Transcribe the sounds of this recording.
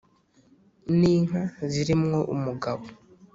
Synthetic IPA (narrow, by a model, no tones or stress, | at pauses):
niːŋaziɾimŋo̞ʔumuɡaβo